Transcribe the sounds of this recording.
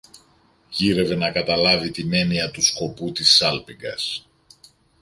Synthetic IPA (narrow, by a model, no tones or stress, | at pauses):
ʝiɾe̞ve̞nɐkɐt̪ɐlɐvit̪ine̞niɐt̪usko̞put̪isɐlpiŋɡɐ̰s